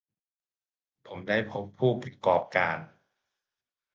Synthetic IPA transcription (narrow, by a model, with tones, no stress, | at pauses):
pʰo˩˦mdaː˥˩jpʰo˦˥pʰːuː˥˩pɾa˧kɔː˨˩p̚kaː˧n